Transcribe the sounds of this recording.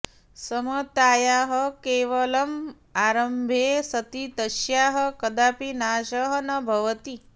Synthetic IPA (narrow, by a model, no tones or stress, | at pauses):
sɐmɐt̪aːjaːɦɐkeːʋɐlɐm | aːɾɐmbʱeːsɐt̪it̪ɐʃjaːɦɐkɐd̪aːpinaːʃɐɦɐnɐbʱɐʋɐt̪i